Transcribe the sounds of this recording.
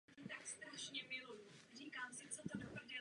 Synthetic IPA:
it̪akst̪ɾaʃɲɛmɪlurikaːmsɪt͡sɛt̪odopr̩ɟɪ

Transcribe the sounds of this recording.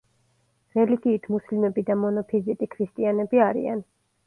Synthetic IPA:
ɾɛliɡiːt̪ʰmuslimɛbid̪amɔnɔpʰizit̪ʼikʰɾist̪ʼianɛbiaɾḭa̰n

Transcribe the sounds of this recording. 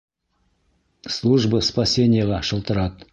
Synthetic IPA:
slˠuʒbəspasʲe̞nʲɪjəʁɑʃəlˠt̪əɾɑt̪

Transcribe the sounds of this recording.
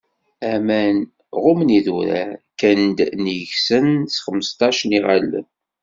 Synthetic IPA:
æmæn | ʁʊmniðuɾæ̰kænd̪nəçsənsχəmːəst̪ˤɑʃəniʁalːə̰n

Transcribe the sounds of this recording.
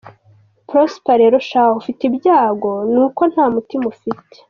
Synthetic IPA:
pɾospaɾeɾoʃaufitibjaːɡo̞nuko̞n̥haːmutimufite̥

